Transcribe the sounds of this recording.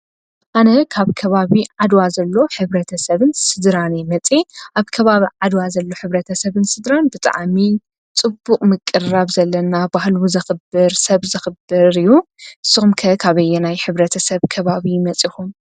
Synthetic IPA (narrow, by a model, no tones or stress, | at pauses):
ʔanɐkʰaβkʰɐβaβiʕad̪wazɐlːo̞ħɨβɾɐt̪ʰɐsɐβɨnsɨd̪ɾanemɐt͡sʼeʔaβkʰɐβaβiʕad̪wazɐlːo̞ħɨβɾɐt̪ʰɐsɐβɨnsɨd̪ɾanbɨt̪ʼa̰ʕmi | t͡sʼɨbːukʼmɨkʼːɨraβzɐlːɐnabahluzɐxɨbɨɾsɐβzɨxɨbːɨɾɨjːuʔɨsːɨxumkʰɐkʰaβɐjːɛnajħɨβɾɐt̪ʰɐsɐβkʰɐβaβimɐt͡sʼixum